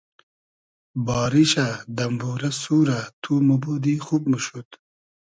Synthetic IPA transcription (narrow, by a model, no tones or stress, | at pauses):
bɑːɾiɕad̪ɐmbuːɾɐsuːɾat̪ʰumubud̪ixub̚məʃut̪